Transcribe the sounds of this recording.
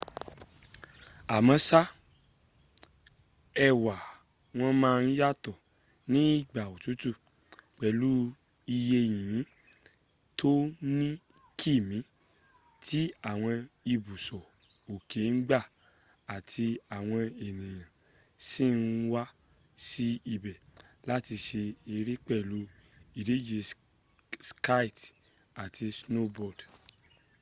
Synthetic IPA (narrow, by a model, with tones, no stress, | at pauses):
a˨mã˧˦sa˦ | ɛ˧wa˨ | w̃ɔ̃˦mãː˦˧˦ja˦tɔ˨ | nĩ˦i˦˨ɡ͡ba˨o˨tu˨˦tu˦˨ | k͡pɛ˨lu˨˦ | i˧je˧j̃ĩ˨˦ | tʰo˦nĩ˦ | kʰi˦˨mĩ˨˦ | tʰi˦a˦˨w̃ɔ̃˧i˧bu˨sɔ˨ | o˨ke˨˦ŋ̩˦ɡ͡ba˦˨ | a˨tʰi˧a˨w̃ɔ̃˧e˨nĩ˨j̃ã˨ | sĩ˦˨n˧˦wa˦ | si˦i˧bɛ˨la˦ti˧ʃe˧e˧ɾi˦k͡pɛ˦˨lu˨˦i˨ɾe˨˦d͡ʒe˧ | ska˦˨t | a˨tʰi˧sno˦bɔ˦˨d